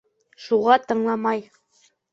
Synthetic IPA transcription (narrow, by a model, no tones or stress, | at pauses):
ʃuʁɑt̪ɤ̆ɴlˠɑmɑj